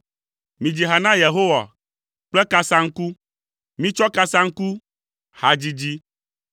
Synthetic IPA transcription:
mĩ˨d͡ʑi˨ɦa˨nã˦je˨ɦo˦wa̰˨ | k͡plɛ˦ka˦sã˦ŋ̩˦ku˦ | mĩ˦t͡ʃɔ˦ka˦sã˦ŋ̩˦ku˦ | ha˨d͡ʑi˦d͡ʑi˦

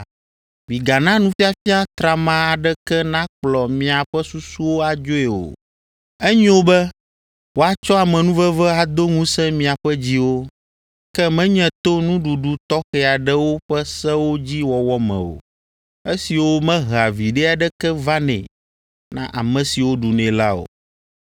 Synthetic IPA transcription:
mĩ˨ɡa˨nã˦nũ˦fi˦a˨fi˦a˦t̪ɾa˨mã˦a˨ɖɛ˦kɛ˦nã˦k͡plɔ˨mĩ˨a˨ɸɛ˦su˦su˦wo˦a˨d͡ʒo˦ɛ˨o̰˨ | ɛ˦ɲĩ˦wo˦bɛ˦ | wo˦a˦t͡ʃɔ˦a˨mɛ̃˨nũ˦vɛ˦vɛ˦a˨d̪o˦ŋũ˦sɛ̃˦mĩ˨a˨ɸɛ˦d͡ʑi˦wo˦ | kɛ˦mɛ̃˦ɲɛ̃˨t̪o˦nũ˦ɖu˨ɖu˨t̪ɔ˦xɛ˨a˨ɖɛ˦wo˦ɸɛ˦sɛ˦wo˦d͡ʑi˦wɔ˨wɔ˦mɛ̰̃˨o̰˨ | e˦si˨wo˦mɛ̃˦ɦa˨vi˨ɖɛ˦a˨ɖɛ˦kɛ˦va˦nɛ̰̃˨ | nã̰˦ʔa˨mɛ̃˨si˨wo˦ɖu˨nɛ̃˨la˦o̰˨

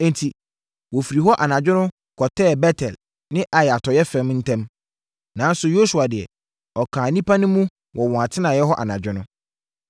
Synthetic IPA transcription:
ɛ̃˦ntʰi˨ | wɔ˨fi˨ɾi˨ɦɔ˦ʔa˨nã˨d͡ʑᶣɪ˦nʊ̃˦ | kʰɔ˨tʰɛː˦˨bɛ˦tʰɛ˨l | nɪ̃˦ʔa˨jɛ˨a˨tʰɔ˨jɛ˦fɛ̃˦m˦n̩˦tʰɛ̃˦m | nã˨˦n̩˦sʊ˨jo˦su˨a˨dɪ˨ɛ̰˨ | ɔ˨kʰãː˨nĩ˦pa˦nɪ̃˦mũ˦ | wʔɔ˨wɔ̃˨a˨tʰɪ˦nã˨jɛ˦ɦɔ˦ʔa̰˨nã˨d͡ʑᶣɪ˦nʊ̃˦

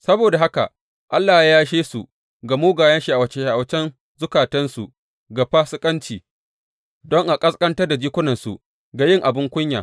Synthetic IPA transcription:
sɐ˦boː˨da˨ɦa˦ka̰˨ | ʔa˦lːaː˨hjaː˦ʃeː˦sṵ˨ | ɡa˨moː˦ɡaː˨jɐ˦nʃi˨ʔa˨wɐ˨t͡ʃe˦˨ʔa˨wɐ˨t͡ʃɛ˦n | zʊ˦kaː˨tɐ˦nsu˨ | ɡa˨ɸaː˦sɪ˦kʼɐ˦nt͡ʃiː˨ | dɔ˦ŋʔa˨kʼɐ˦skʼɐ˦ntɐ˦rda˨d͡ʒiː˦kʷʊ˦nɐ˨nsṵ˨ | ɡa˨jɪ˦ŋʔa˨bɪ˦ŋkʷʊ˦ɲjaː˨

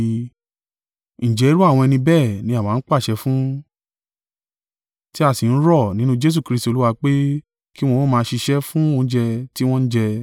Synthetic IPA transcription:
n̩˨d͡ʒɛ˨˦i˦ɾu˦a˦˨w̃ɔ̃˧ɛ˧nĩ˧bɛː˦˨nĩ˧˦ã˦˨ã˨˦˧n̩˦k͡pa˦˨ʃɛ˧fũ˦ | ti˦a˦˨si˨n̩˦ɾɔ˦˨nĩ˨˦nũ˦d͡ʒe˦s̬u˦˨kɾi˧sti˧o˧lu˦wa˧k͡pe˦ | ki˦w̃ɔ̃˧o˦mãː˧ʃi˧ʃɛ˦fũ˦o˧n̩˦d͡ʒɛ˧ti˦w̃ɔ̃˦n̩˦d͡ʒɛ˧

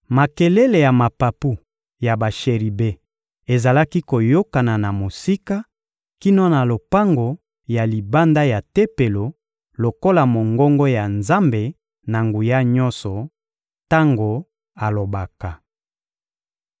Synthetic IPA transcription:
ma˨ke˨le˦le˨ja˨ma˨pa˨pu˦ | ja˨ba˨ʃe˨ʁi˨be˦ | e˨za˨la˦ki˦ko˨jo˦ka˨na˨na˨mo˨si˦ka˦ | ki˦nɔ˦na˨lo˨pa˦ŋɡo˨ | ja˨li˨ba˦nda˦ja˨te˦pe˨lo˨ | lo˨ko˦la˨mo˨ŋɡɔ˦ŋɡɔ˦ja˨nza˦mbe˨ | na˨ŋɡu˨ja˦ɲɔ˦nsɔ˨ | ta˦ŋɡo˨ | a˨lo˨ba˨ka˨

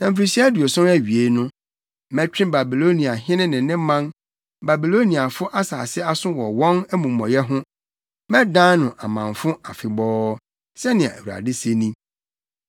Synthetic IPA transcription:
nã˨m̩˨fɾi˨si˦du˨o˨sɔ̃˦næ˦ɥi˨e˦nʊ̃˦ | mɛ̃˦t͡ɕᶣɪ̃˦ba˨bi˨lo˦nĩ˨a˨ɦɪ̃˦nɪ̃˦nɪ̃˨nɪ̃˦mã˦n | ba˨bi˨lo˦nĩ˨a˨fʊ˦ʔa˦saː˨sɪ˦a˦sʊ̃˦wɔ˨wɔ̃˦næ˦mũ˨mɔ̃˨jɛ˦ɦʊ̃˦ | mɛ̃˦dã˦nʊ̃˨ʔa̰˨mã˨nfʊ̃˦a˨fɪ˨bɔː˦ | sɛ˦nɪ̃˨ã̰˨æ̰˨wu˨a̰˨dɪ˦se˦nĩ˦

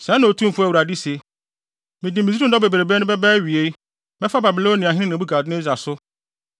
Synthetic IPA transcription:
sɛ̃˨˦nʊ̃˨o˨tʰũ˦m̩˨fɛ˨wu˨ɾa˨di˦se˨ | mɪ̃˨dɪ˨mĩ˨zɾũ˦dɔ˦be˨be˨ɾe˨be˦ʊ̃˦bɛ˦bɛ˦ɥi˨e˦ | mɛ̃˦fa˦ba˨bi˨lo˦nĩ˨a˨ɦɪ̃˦nɪ̃˦nɪ̃˨bu˦ɡa˨dɪ˦ɪ̃˦za˨sʊ˦

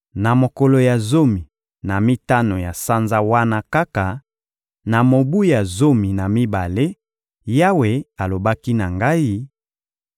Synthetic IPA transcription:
na˨mo˨ko˨lo˨ja˨zo˦mi˨ | na˨mi˦ta˦no˨ja˨sa˦nza˦wa˦na˦ka˦ka˨ | na˨mo˨bu˦ja˨zo˦mi˨na˨mi˦ba˨le˦ | ja˦we˨a˨lo˨ba˦ki˦na˨ŋɡa˦i˦

